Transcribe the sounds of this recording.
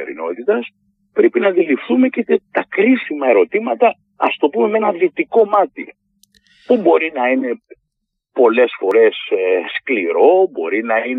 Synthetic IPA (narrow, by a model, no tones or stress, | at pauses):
ḛɾḭno̞t̪it̪ɐs | pɾe̞pinɐðilifθume̞cet̪et̪ɐkɾisimɐe̞ɾo̞t̪imɐt̪ɐ | ɐst̪o̞pume̞me̞nɐðit̪iko̞mɐt̪i | pubo̞ɾinɐine̞ | po̞le̞sfo̞ɾe̞seskliɾo̞bo̞̰ɾinɐin